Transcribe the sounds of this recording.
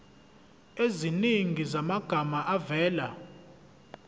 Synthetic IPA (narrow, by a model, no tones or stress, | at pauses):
eziniŋɡʱizamaɡ̥ʱamaʔavɛːla̰